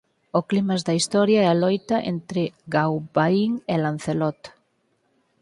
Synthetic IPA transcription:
oklimazd̪ɐist̪ɔɾjaɛalɔjt̪aʔḛnt̪ɾɪɡawbaiŋelan̟θelɔt̪

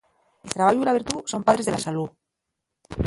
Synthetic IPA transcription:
elt̪ɾaβaʝuilaβ̞iɾt̪uso̞mpað̞ɾe̞zðelasalu

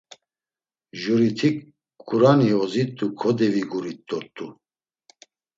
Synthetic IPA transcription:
ʒuɾit̪ʰik | uɾaniɔzit̪ʼːukʰɔd̪ɛviɡuɾit̪ʼːɔt̪ʼːu

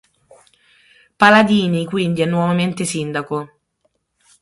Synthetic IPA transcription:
palad̪iːnikwind̪iɛnːwɔvament̪esind̪ako

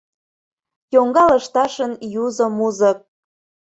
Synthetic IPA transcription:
joŋɡɑlə̆ʃt̪ɑʃənjuzŏmuzə̆k̚

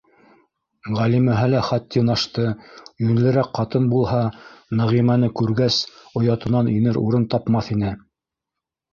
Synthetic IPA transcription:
ʁælimæɦɘlæχæt̪ːiunɑʃt̪ɤjɵ̆nlɘ̆ɾækqɑt̪ɤnbulˠhɑnæʁimænɘkʉɾɡæsŏjɑt̪ɤ̆nɑninɘɾṵɾɤnt̪ɑpmɑθinɘ

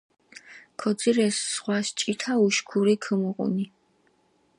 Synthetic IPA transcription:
kʰɔd̪ziɾɛsːχwast͡ʃʼit̪ʰauʃkʰuɾikʰəmuqʼṵni

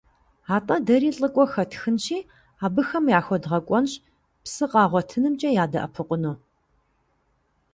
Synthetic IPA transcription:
aːtʼɐdɐɾiːɬʼɨkʷʼɔxɐtʰxɨnɕiː | aːbɨxɐmjaːxʷɔdʁɐkʷʼɔnɕ | psɨqʼɑːʁʷɔtʰɨnɨmt͡ʃʼɐjaːdɐ̰ʔɐ̰pʰɨqʷʼʊnuː

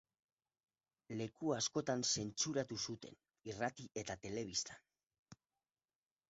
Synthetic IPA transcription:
le̞kuasko̞t̪anse̞nt͡ʃuɾat̪usut̪e̞̰n | irat̪iʔe̞t̪at̪e̞le̞β̞ist̪ḁ

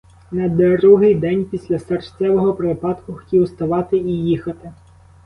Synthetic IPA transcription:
nɐd̪ɔɾuɦɪjd̪ɛnʲpʲisʲlʲɐsɐrʃt͡sʲɛʋɔɦɔpɾɪpɑt̪kʊxtʲiʊst̪ɐʋɑt̪ɪijixɐt̪ɪ

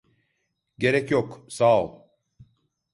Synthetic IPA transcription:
ɟe̞ɾɛcjoksalˠ

